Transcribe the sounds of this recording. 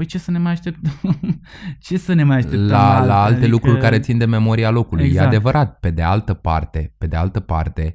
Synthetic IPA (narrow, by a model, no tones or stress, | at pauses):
pəjt͡ʃe̞sənemajaʃt̪ep̚t̪əm | t͡ʃe̞səne̞majaʃtelalaaltt̪e̞lukɾurkaɾe̞t̪sind̪e̞me̞mo̞ɾialo̞kulṵjjead̪e̞vəɾʔat̪̚pe̞d̪e̞alt̪əpa̰rt̪e̞pe̞d̪e̞alt̪əpart̪e̞